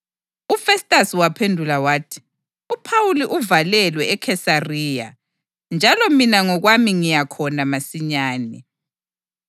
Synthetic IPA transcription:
ufɛstʼasiwapʰendʱulawaːtʰi̥ | upʰawuliʔuvalɛlwɛɛkʰɛsariːja̰ | nd͡ʒʱalɔminaŋɔɣwamiŋijakʰɔnamasiɲaːnɛ

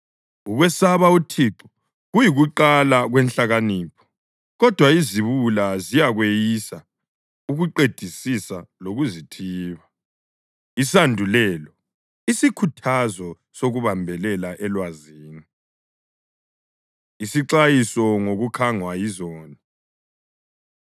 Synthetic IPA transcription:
uɣwɛsaβautʰiǁɔ̥ | ɣujiɣuǃalaɣwɛnɬaɣaniːpʰɔ̥ | ɣɔd̥ʱwaiziβulazijaɣwejisa | uɣuǃed̥ʱisisaloɣuzitʰiːβa | isandʱulɛlɔ | isikʰutʰazɔ | soɣuβambʱɛlɛlaʔɛlwaziːni | isiǀajisɔŋoɣukʰaŋwajizɔːni

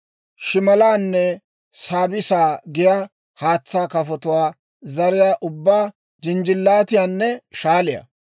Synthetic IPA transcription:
ʃɪmɐlaːnːɛ | saːbɪsaːɡɪja | haːt͡sːaːkɐfɔt̪ʊwaː | zɐɾɪjaːʔʊbːaː | d͡ʒɪnd͡ʒɪlːaːt̪ɪjaːnːɛʃaːlɪjɐ̰

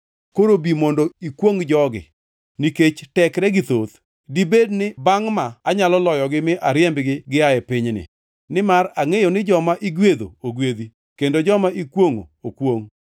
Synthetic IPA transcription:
koɾobimondoikwoŋd͡ʒɔɡɪ̰ | niket͡ʃtɛkɾɛɡɪt̪ot̪ | dibednɪbaŋmaːɲalɔlɔjɔɡɪmɪʔaɾjɛmbɡɪɡɪaɛpɪɲnɪ̰ | nɪmaɾaŋejonɪd͡ʒɔmaʔiɡwed̪o̰oɡwed̪i | kendod͡ʒɔmaʔikwoŋo̰okwoŋ

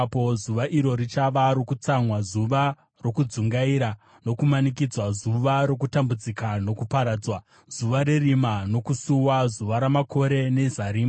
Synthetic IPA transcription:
pozuʋaʔiɾo̞ɾit͡ʃaʋaɾokut͡samwazuʋa | ro̞kud͡zuŋɡaiɾa | no̞kumanikid͡zwazuʋaɾo̞k̬utambud͡zikano̞kupaɾaːd͡zwa | z̥uʋaɾe̞rimano̞kusuwazuʋaɾamakʰo̞ɾe̞ne̞zaɾiːma

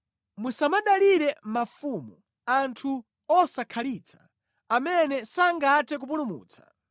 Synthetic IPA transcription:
musamaɗaliɾɛmafumu | antʰu | ɔsakʰaliːt͡sʰḁ | amɛnɛsaŋɡatɛk̬up̬ulumṵːt͡sʰḁ

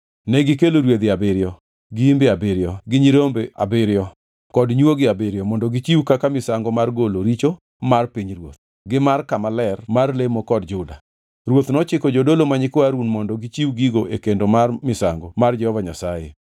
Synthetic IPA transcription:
nɛɡɪkeloɾwed̪ɪabɪɾɪɔ | ɡɪimbeabɪɾɪjɔɡɪɲiɾombea̰bɪɾjɔ | kɔdɲwoɡɪabɪɾjɔmɔndɔɡit͡ʃiwkakamɪsaŋɡɔmarɡoloɾit͡ʃo | marpiɲɾwo̰t̪̚ | ɡɪmarkamalɛrmarlemokɔd̚d͡ʒʊda | ɾwot̪nɔt͡ʃɪkɔd͡ʒodolomaɲɪkwaɾunmɔndɔɡit͡ʃiuɡiɡoʔekendomarmɪsaŋɡomard͡ʒɛhɔvaɲasajḛ

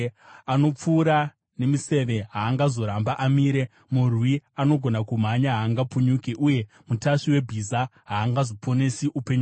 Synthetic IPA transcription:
ano̞p͡fuːɾa | ne̞mise̞ʋe̞ɦaːŋɡazo̞ɾambaʔamiːɾe̞ | murwiano̞ɡʱo̞nakum̤aɲaɦaːŋɡapuɲuːkeʔuje̞ | mutaʂiwe̞bʱizaɦaːŋɡazopʰo̞ne̞siʔupe̞ɲu

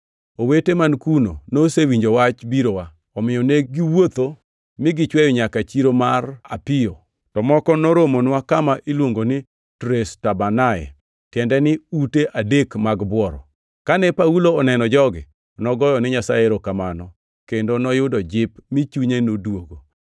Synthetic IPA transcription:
owetemankunonosewiɲd͡ʒowat͡ʃbiɾowa | ɔmɪjɔneɡɪwot̪o | mɪɡɪt͡ʃwɛjɔɲakat͡ʃiɾomara̰pɪjɔ | tɔmɔkɔnɔɾomonwakamaʔilwoŋɡonɪ | tɾestabanaɛ̰ | tjɛndɛnɪuteʔadekmaɡbwɔɾɔ̰ | kanɛpauloːnɛnɔd͡ʒɔɡɪ̰ | nɔɡɔjɔnɪɲasajeɾokamanɔ | kendonɔjʊdɔd͡ʒɪpmɪt͡ʃuɲenodwoɡo

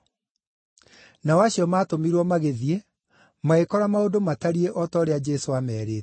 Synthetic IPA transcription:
naɔwaɕiɔmaːtomiɾwɔmaɣeðie | maekɔɾamaodomataɾieʔɔtɔːɾead͡ʒɛsoamɛːɾeːt

